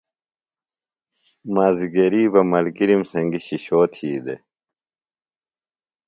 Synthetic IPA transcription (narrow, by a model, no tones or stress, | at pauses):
maːziɡeɾiːbɐmɐlɡiɾimsɐŋɡiɕiɕoːt̪ʰiːd̪ḛ